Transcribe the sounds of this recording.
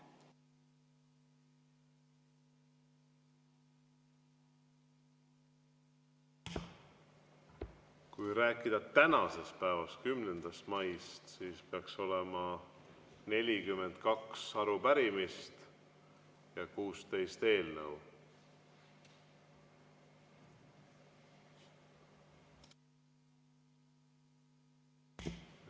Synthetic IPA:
kujɾæːkːˑid̪̥ɑt̪ænɑse̞spæevɑst̪̚kymnend̪̥ɑst̪mɑjst̪siːspeɑkso̞le̞mɑ | ne̞lʲikyme̞nt̪̚kɑksɑɾupæɾimist̪ | jɑkuːst̪e̞jst̪e̞ːlnɤw

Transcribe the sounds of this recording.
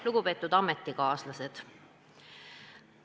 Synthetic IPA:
luɡ̥upe̞ːt̪ːˑud̪ɑmet̪ːˑikɑːslɑse̞d̪̥

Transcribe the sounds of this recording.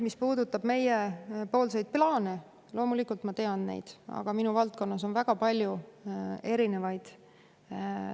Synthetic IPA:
mispuːd̪ut̪ːˑɑb̥me̞jepo̞ːlsejd̪̚plɑːne̞ | lo̞ːmulikˑult̪mɑt̪e̞ɑnne̞̰jd̪̥ɑ̰ɡ̥ɑminuvɑlt̪̚ko̞nːɑso̞nvæɡ̥ɑpɑlʲju | e̞ɾine̞vɑjd̪̥

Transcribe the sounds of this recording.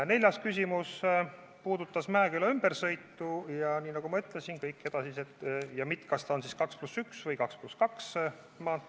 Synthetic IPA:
ne̞lʲjɑskysʲimus | puːd̪ut̪ːˑɑsmæekylɑymb̥ersɤjt̪ːujɑniːnɑɡ̥umɑyt̪ˑlesinkɤjkːe̞d̪̥ɑsiset̪ːjɑmit̪ˑkɑst̪ɑo̞nsiskɑksplusyksvɤjkɑkspluskɑks | mɑːt̪

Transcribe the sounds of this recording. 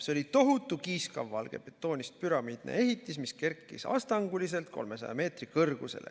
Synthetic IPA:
seo̞lit̪o̞ɦut̪ːˑukiːskɑvːɑlɡ̥e̞̰pet̪ːˑo̞ːnʲist̪̚pyɾɑmiːd̪̥nḛe̞ɦit̪ːismiske̞rkːˑḭsɑ̰st̪ɑŋɡ̥ulise̞lt̪̚kʰo̞̰lme̞sɑ̰jɑ̰me̞ːt̪rikɤrɡ̥use̞̰lḛ

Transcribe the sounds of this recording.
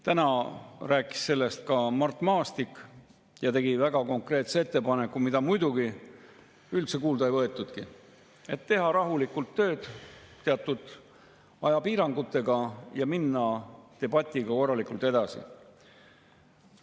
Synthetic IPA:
t̪ænɑræːkːˑi̥sːe̞lːe̞st̪̚kɑmɑrt̪ːˑmɑːst̪ikːˑ | jɑt̪e̞ɡivæɡ̥ɑko̞ŋkre̞ːt̪see̞t̪ːe̞pɑne̞kːˑumid̪̥ɑmujd̪uɡ̥i | ylt̪se̞kuːld̪ɑjvɤet̪ːˑud̪̥ki | e̞t̪ːe̞ɦɑɾɑɦulikːult̪ːø̞ːd̪̥t̪ːe̞ɑt̪ːˑud̪̥ | ɑjɑpiːɾɑŋɡ̥ut̪ːˑe̞ɡ̥ɑjɑminːɑt̪e̞bɑt̪ʲːˑiɡ̥ɑko̞rːɑlikˑult̪e̞d̪̥ɑsḭ

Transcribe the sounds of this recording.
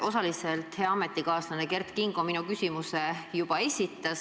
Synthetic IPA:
ʔo̞sɑliselt̪he̞ɑɑme̞t̪ˑːikɑːslɑneke̞rt̪kiŋɡo̞minukysʲimuse̞jub̥ɑe̞sʲit̪ːˑɑs

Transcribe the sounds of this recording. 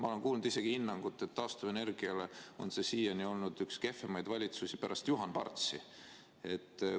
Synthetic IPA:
mɑo̞le̞ŋkuːlnud̪̥ise̞ɡ̥ihinːɑŋɡ̥ut̪ːˑe̞t̪ːɑːst̪ɑvene̞rɡ̥iɑle̞o̞̰nse̞siːjɑnio̞lnud̪̥ykske̞femɑjd̪̥vɑlʲit̪susipæɾʔɑst̪juɦɑnpɑ̰rt̪si | e̞t̪ː

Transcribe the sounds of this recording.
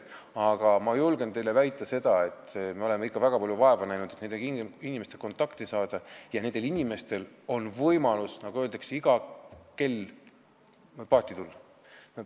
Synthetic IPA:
ɑɡ̥ɑmɑjulɡ̥e̞nt̪e̞jle̞væjt̪ːˑɑse̞d̪̥ɑe̞t̪ːˑmeo̞le̞meikːˑɑvæɡ̥ɑpɑljuvɑe̞vɑnæjnud̪̥et̪ne̞nd̪eiinʲimest̪eko̞nt̪ːˑɑkt̪isɑːd̪̥ɑjɑnend̪̥e̞linʲime̞st̪e̞lo̞nvɤjmɑlusnɑɡ̥uø̞ːld̪ekseiɡ̥ɑke̞l | pɑːt̪ːˑit̪ulːɑ

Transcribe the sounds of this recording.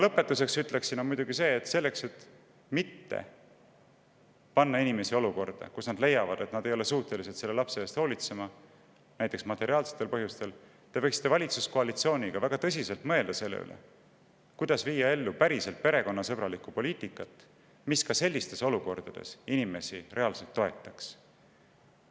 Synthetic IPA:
lɤpːˑe̞t̪ːˑuse̞ksyt̪le̞ksinomujd̪uɡ̥ise̞ːt̪se̞lːe̞kse̞t̪ː | mit̪ːḛ | pɑnːɑinime̞sio̞luko̞rd̪̥ɑ̰kusnɑd̪le̞jːɑvɑd̪̥e̞t̪nɑd̪ejo̞le̞suːht̪ːe̞lise̞d̪se̞lːe̞lɑpse̞eːst̪ho̞ːlʲit̪se̞mɑ | næjt̪ːˑe̞ksmɑt̪ːˑe̞ɾiɑːlset̪ːˑe̞lpɤɦjust̪e̞l | t̪e̞vɤjksi̥t̪ːˑevɑlʲit̪susko̞ɑlit̪sio̞ːnʲiɡ̥ɑvæɡ̥ɑt̪ɤs̬ʲise̞lt̪mɤ̞e̞ld̪̥ɑse̞lːḛy̰lḛ | kujd̪ɑsviːjɑe̞lːupæɾise̞lt̪̚pe̞ɾe̞ko̞nːɑsɤbɾɑlikupo̞lʲiːt̪ikːˑɑt̪ːˑ | miskɑse̞lʲːist̪e̞so̞luko̞rd̪̥ɑd̪̥ḛsinime̞sire̞ɑlse̞lt̪ːo̞e̞t̪ːˑɑks

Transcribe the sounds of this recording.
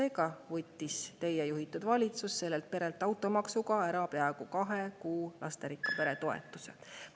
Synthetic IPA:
e̞ːɡɑvɤt̪ʲːist̪e̞jːejuɦit̪ːˑud̪vɑlʲit̪susse̞lːe̞lt̪̚pe̞ɾe̞lt̪ːˑɑwt̪ːˑo̞mɑksuɡɑeɾɑpe̞ɑeɡ̥ukɑɦe̞kuːlʔɑ̰st̪eɾikːˑɑpe̞ɾe̞t̪o̞ḛt̪ːˑu̥se̞̰

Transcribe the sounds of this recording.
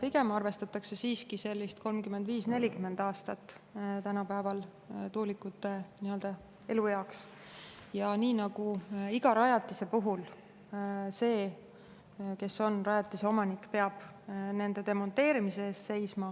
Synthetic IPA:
piɡe̞mɑrve̞st̪ɑt̪ːˑɑkse̞siːskise̞lʲːist̪̚kʰo̞lmkyme̞nd̪viːsne̞lʲikyme̞nd̪̥ɑːst̪ɑt̪ːˑ | t̪ænɑpæevɑl | t̪uːlikːˑut̪ːˑe̞niø̞ld̪̥ɑ | e̞lujɑoks | jɑniːnɑɡuiɡ̥ɑɾɑjɑt̪ːˑise̞puɦul | se̞ː | ke̞so̞nrɑjɑt̪ːˑiseomɑnikːpe̞ɑb̥ | ne̞nd̪̥e̞d̪e̞mo̞nt̪e̞ːɾimise̞eːst̪se̞jsmɑ

